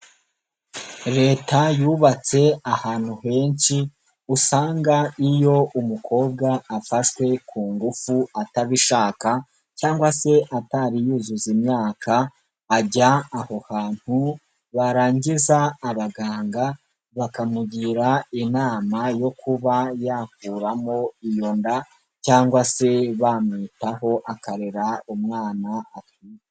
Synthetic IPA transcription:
ɾe̞ːtajuːβat͡se̞ahaːn̥huhe̞ːnʃi | usaːŋɡaijo̞ʔumukʰo̞ːb̚ɡaːfaʃwe̞kʰuːŋɡufuataβiʃaːka | caːŋɡwase̞ʔataɾijuːzuzimɲaːkʰaː | ɟaːho̞haːn̥hu | βaɾaːɲɟizaːβaɡaːŋɡa | βakamuɟiɾainaːmajo̞kuβajaːkuːɾamo̞ijo̞nda | caːŋɡwase̞βamŋitaɦo̞ʔakaɾeɾaumŋaːnaatiːje

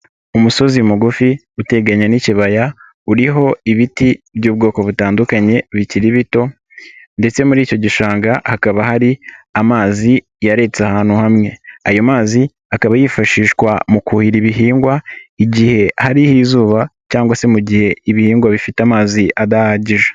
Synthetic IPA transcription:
umuso̞zimuɡufi | ute̞ɡaɲaniciβaja | uɾiɦo̞iβitiβjuːb̚ɡo̞ːko̞βutaːndukaɲe̞βiciɾiβito̞ | nde̞t͡se̞muɾiːco̞ɟiʃaːŋɡahakaβahaɾiamaːzi | jaɾe̞t͡sahaːn̥huhamŋe̞ajo̞maːzi | akaβajifaʃiːʃkwamukuhiɾiβiɦiːŋɡwaiɟihe̞haɾihizuːβacaːŋɡwase̞muɟihe̞iβihiːŋɡwaβifitamaːziʔadahaːɟiʒe

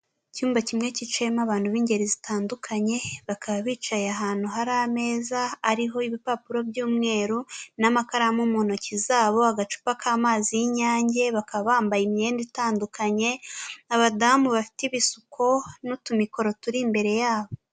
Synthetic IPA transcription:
cuːmbacimŋe̞cit͡ʃemaβaːn̥huβiːɲɟe̞ɾizitaːndukʰaɲe̞βakaβaβiːt͡ʃajaɦaːn̥huɦaɾame̞ːzaːɾiɦo̞iβipapuɾo̞bjuːmŋe̞ːɾunamakaɾamumono̞cizaːβo̞aɡat͡ʃu̥pakaːmaːzijiɲaːɲɟe̞βakaβaβaːmbajimɲe̞ːnditaːndukʰaɲe̞aβadamuβafi̥tiβisukʰo̞nutumiko̞ɾo̞tuɾimbe̞ɾe̞jaːβo̞

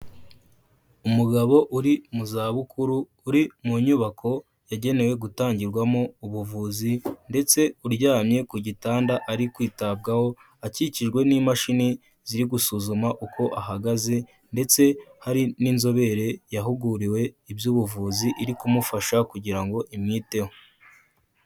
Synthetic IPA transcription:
umuɡaβo̞ʔuɾimuzaːβukʰuɾuː | ɾimuɲuβakʰo̞ | jaɟe̞ne̞we̞ɡutaːɲɟiɾɡwamouβuvuːzinde̞t͡se̞uɾɟaːmɲe̞kuɟitaːndaʔaɾikwiːtabɡaho̞ | aciciʒɡwe̞nimaʃini | z̥iɾiɡusuzumaʔukʰo̞ʔahaɡaze̞ | nde̞t͡se̞haɾininzo̞βe̞ɾe̞jaɦuɡuɾiwe̞ibjuːβuvuːziʔiɾikumufaʃakuɟiɾaŋɡo̞ʔimɲiːte̞ho

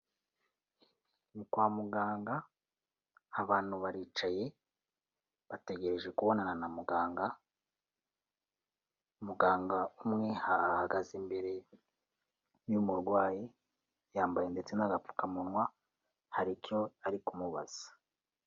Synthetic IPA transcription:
nikwaːmuɡaːŋɡa | βaːn̥huβaɾiːt͡ʃaje̞ | βate̞ɡe̞ɾe̞ʒe̞kuβo̞nananamuɡaːŋɡa | umuɡaːŋɡaumŋe̞haːhaɡazimbe̞ɾe̞ | jumuɾɡwaːji | jaːmbajende̞t͡se̞naɡap͡fu̥kamunŋwa | haɾikjo̞aɾikumuβa̰z̥ḁ

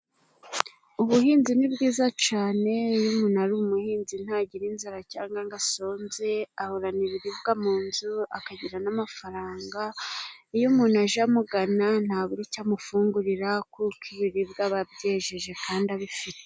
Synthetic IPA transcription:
uβuɦiːnzinibɡiːzat͡ʃaːne̞jumuːnaɾuumuhiːnzin̥haːɟiɾinzaɾacaːŋɡaŋɡaso̞ːnze̞ahoɾaniɾiɾiβɡamuːnzuakaɟiɾanamafaɾaːŋɡaijumuːnaʒamuɡanan̥haːβuɾicamufuːŋɡuɾiɾakukiβiɾiβɡaβabɟe̞ːʒeʒe̞kaːndaβifite̥

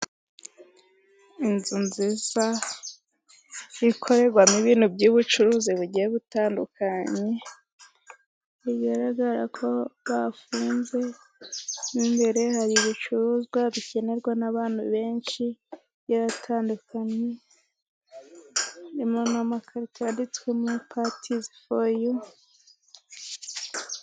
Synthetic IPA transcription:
inzunziza | ikʰo̞ɾe̞ɾɡwamiβiːn̥hubɟuːβut͡ʃuɾuziβuɟijeβutaːndukʰaɲe̞ | iɡaɾaɡaɾa̰kʰo̞βafuːnze̞ | nimbe̞ɾe̞haɾiβut͡ʃuɾuːzɡwaβice̞ne̞ɾɡwanaβaːnhṵβe̞ːnʃi | jaɾatʰaːndukʰaɲe | imonamakʰaɾitʰaːndit͡swemupʰatʰizifoju

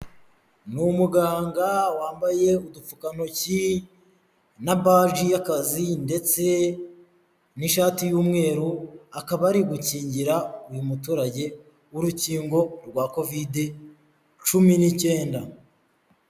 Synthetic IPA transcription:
numuɡaːŋɡawaːmbaje̞udufukano̞ci | nabaːʒijakazinde̞t͡se̞ | niʃaːtijuːmŋe̞ːɾuakaβaɾiɡuciːɲɟiɾaujumutuːɾaɟe̞ | uɾuciːŋɡo̞ɾɡwako̞vide | t͡ʃuminice̞ːnda

